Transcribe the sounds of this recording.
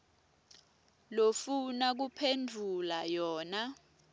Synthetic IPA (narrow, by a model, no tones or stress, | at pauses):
lofunak̬upʰendʱulajɔːna